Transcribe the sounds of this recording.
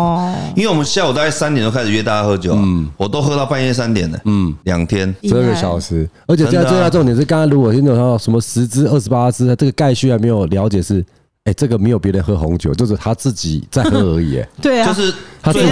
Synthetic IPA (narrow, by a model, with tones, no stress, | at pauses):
i˥nwe˥˩wɔ˨˩mə˦nɕi˧˥a˥˩wɔ˩t̪a˥˧ka˥˩sa˥nt̪nt̪o˥˧ka˥˩s̩˩˨˩ɥɛ˥t̪a˥˧˥xɤ˧˥t͡ɕjo˨˩ʊn˨˩wɔ˨˩t̪o˥ʊxɤ˥t̪ɑ˥˧ʊfa˥˧n˥˧sa˦nt̪jɛ˨˩nə̰˩n̩˥˩ljɑ̰˨˩ŋt̪ʰjɛ˦˥nʂɻ̩˧˦ə˥˩ɡə˧ɕɑ˨˩ʊʂɻ̩˧˥ə˧˥t͡ɕʰj̪a˥˧ʈ͡ʂŋt̪jʂɻ̩˥˩kɑ˥ŋa˥nlu˥wɔ˨˩t͡ɕʰʂə˧˦˥mə˧ʂɻ̩˧˥t͡sɹ̩˥ə˥˩ʂɻ̩˧˥pa˦˥t͡sɹ̩˥t̪ʰa˥ʈ͡ʂɤ˥˩ɡə˩ka˥˧ɪɕy˥˩xa˧ɪme˧˥ɪjo˨˩ljɑ˧˥ʊt͡ɕjɛ˨˩ʂɻ̩˥˩ | e˥˩ɪʈ͡ʂə˥˩ɡə˩me˧˥jo˨˩pjɛ˧˥ɾə˧˦nxɤ˥xɔ˧˦ŋt͡ɕjo̰˨˦ʊt͡ɕjo˥˧ʊʂ̬ɻ̩˥˩t̪ʰa˥t͡sɹ̩˥˩t͡ɕḭ˨˩t͡sa˥˩ɪxɤ˧˥ə˧˥ḭ˨˩ḛ˨˩we˥˩t͡ɕo˥˧ʊʂɻ̩˥˨t̪ʰa˥